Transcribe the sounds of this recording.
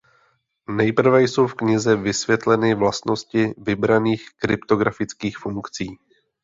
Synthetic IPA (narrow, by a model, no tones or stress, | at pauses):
nɛjpr̩vɛjso̞wfkɲɪzɛvɪsvjɛt̪lɛnɪvlast̪no̞scɪvɪbɾaniːxkɾɪpt̪o̞ɡɾafɪt͡skiːxfuŋkt͡siː